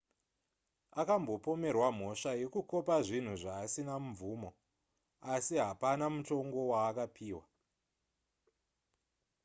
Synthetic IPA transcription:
akambo̞po̞me̞rwam̤o̞ʂaje̞kuko̞paʐin̤uʐaːsinamvuːmo̞ | asiɦapanamuto̞ŋɡo̞waːkapʰiːwa

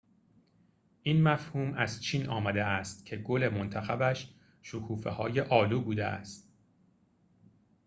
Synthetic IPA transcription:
ʔiːnmæfhuːmæzt͡ʃʰiːnʔɒːmæd̪eæst̪cʰe̞ɡole̞mont̪ʰæxæbæʃ | ʃokʰuːfehɒːje̞ʔɒːluːbuːd̪ḛʔæ̰st̪̚

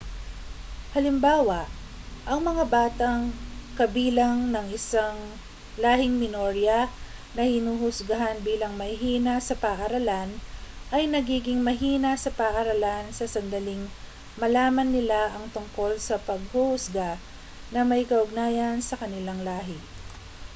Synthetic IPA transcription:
hɐlɪmbaːwɐʔ | ʔɐŋmɐŋabaːt̪ɐŋkɐbiːlɐŋnɐŋɪsaŋ | laːhɪŋmɪnoɾjɐnɐhɪnuhʊsɡɐɦanbiːlɐŋmɐhɪɦiːnasɐpɐʔɐɾɐlanʔɐjnɐɡiːɡɪŋmɐɦiːnasɐpɐʔɐɾɐlansɐsɐnd̪ɐlɪŋ | mɐlaːmɐnːɪlaʔɐŋt̪ʊŋko̞lsɐpɐɡ̚huhʊsɡa | nɐmɐjkɐʔʊɡ̚naːjɐnsɐkɐnɪlaŋlaːɦɪ

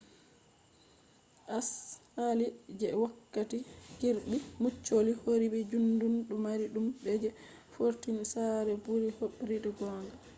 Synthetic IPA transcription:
ʔashalid͡ʒɛwakːatikiɾɗimut͡ʃːolihoɾibɛd͡ʒundunɗumaɾiɗumbɛd͡ʒɛ | foɾtinsaɾɛbuɾihoɓɾidɛɡɔːŋɡa

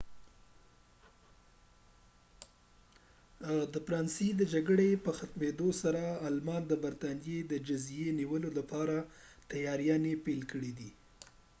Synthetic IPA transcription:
d̪əfɾɑnsid̪əd͡ʒaɡɽepəxat̪med̪osaɾaːlmɑnd̪əbaɾt̪ɑnijed̪əd͡ʒazjeniwəlolapɑɾat̪ajɑɾjɑnepelkəɽid̪i

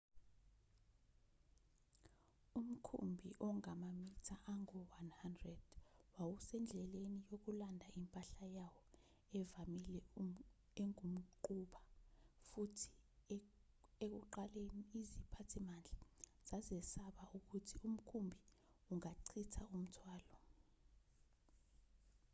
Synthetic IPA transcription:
um̩kʰṵmbʱiʔɔŋamamitʰaʔaŋɔwanhandrɛd̥wawusɛnd͡ɮʱɛlenijok̬ulandʱaimpʼaɬajawɔ | ɛvamilɛ | eŋum̩ǃuɓafutʰi̥ | ek̬uǃaleniːzipʰatʰimand͡ɮʱa | z̥azɛsaɓauk̬utʰium̩kʰumbʱi | uŋaǀʰitʰaum̩tʰwaːlɔ

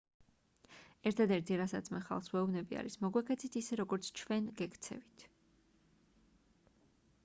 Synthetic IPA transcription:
ɛɾt̪ʰad̪ɛɾt̪ʰiɾasat̪sʰmɛχa̰lˠχswɛɔvnɛbia̰ɾismɔɡwɛkʰɛt̪sʰit̪ʰisɛɾɔɡɔɾt̪sʰt͡ʃʰvɛnɡɛkʰt̪sʰɛ̰vit̪ʰ

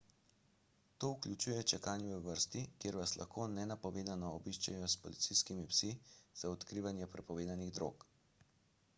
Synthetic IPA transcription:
t̪oːuklʲut͡ʃuːjɛt͡ʃɛkanjuʋɛʋəɾst̪ikjeːɾʋaslʔa̰xkoːnɛnapɔʋeːd̪anɔːbiʃt͡ʃɛ̰jɔspɔlḭt̪siskimipsiz̥aɔt̪kɾiːʋanjɛpɾɛpɔʋeːd̪aniɣd̪ɾo̰k

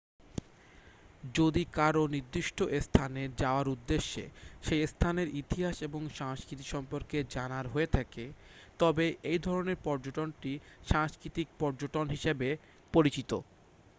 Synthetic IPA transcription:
d͡ʑod̪ikaɾoniɾd̪ːiʃʈʰoʔest̪ʰaneɾd͡ʑaoaɾud̪ːeʃːḛʃest̪ʰaneɾit̪iɦaʃeboŋʃaŋskɾit̪iʃɔmpoɾked͡ʑanaɾɦoet̪ʰaket̪ɔbeʔejd̪ʱɔɾoneɾpɔɾd͡ʑoʈonʈiʃaŋskɾit̪ik̚pɔɾd͡ʑoʈonɦiʃebe | poɾit͡ɕit̪o

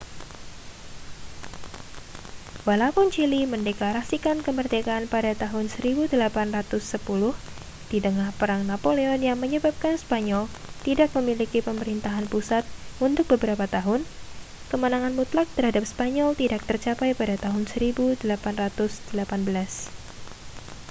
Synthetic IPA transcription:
walaupʊnt͡ʃiliməndɛklaɾasikankəmərt̪ɛkaːnpadat̪aɦʊnsəɾibudəlapanrat̪ʊsːəpulʊh | d̥id̪əŋahpəɾaŋnapoleɔnjaŋməɲəbap̚kanspaɲɔl | t̪idak̚məmilikipəməɾint̪aɦanpusat̪̚unt̪ʊk̚bəbəɾapat̪aɦʊn | kəmənaŋanmut̪lak̚t̪ərɦadap̚spaɲɔlt̪idak̚t̪ərt͡ʃapajpadat̪aɦʊnsəɾibudəlapanrat̪ʊsd̥əlapanbəlas

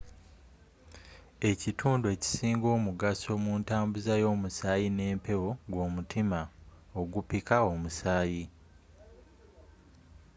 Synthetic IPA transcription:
e̞citʰuːnduwe̞ːci̥siːŋɡo̞ːmuɡaso̞muːntaːmbuzajo̞ːmusaːjine̞ːmpe̞wo̞ɡwo̞ːmutʰima | oɡupikao̞musaːji

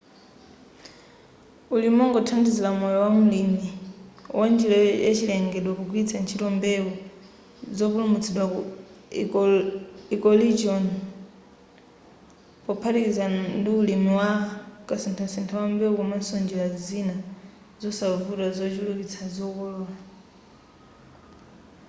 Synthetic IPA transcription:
ulimɔŋɡɔtʰandizilamɔjɔwamulimiwʔand͡ʒilɔja̰t͡ʃilɛŋɡɛɗwakuɡwit͡sʰant͡ʃʰitɔmbɛu | zɔpulumut͡sʰɛɗwau | ikɔlid͡ʒiɔn | pɔpʰaɾiizandiulimiwakasɛntʰasɛntʰawambɛukumansɔnd͡ʒɛlazina | zɔsavutazɔt͡ʃuluβit͡sʰazɔkɔlɔːla

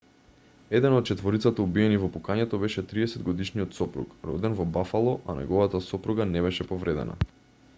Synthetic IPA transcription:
ɛd̪ɛnɔt̪̚t͡ʃɛt̪vɔɾit̪sat̪aubiɛnivɔpukaɲɛt̪ɔbɛʃɛt̪ɾiɛsɛd̪ɡɔd̪iʃniɔt̪sɔpɾṵkɾɔ̰d̪ɛnvɔbafalˠɔʔa̰nɛ̰ɡɔvat̪asɔpɾuɡanɛβɛʃɛpɔvɾɛd̪ɛ̰na̰

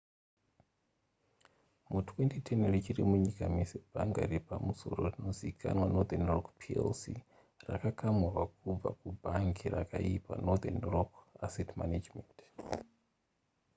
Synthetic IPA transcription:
mutʰwentitʰenerit͡ʃiɾimuɲikamisebʱaŋɡa̰ɾepamusoɾorino̞zikʰa̰nwanod̪anrokpʰiḛlsi | rakakamwurwakub͡va̰kubʱaŋkʰirakaipa̰nod̪enrokasetmanad͡ʒment

